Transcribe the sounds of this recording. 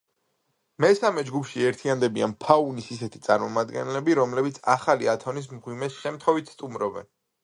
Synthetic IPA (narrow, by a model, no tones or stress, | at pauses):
mɛsamɛd͡ʒɡupʰʃiɛɾt̪ʰiand̪ɛbia̰npʰaunisisɛt̪ʰit̪sʼaɾmɔmad̪ɡɛ̰nlɛbiɾɔmlɛbit̪sʰaχaliat̪ʰɔnis̬mʁwimɛsʃɛmt̪ʰχɔvit̪ʰst̪ʼumɾɔbɛ̰n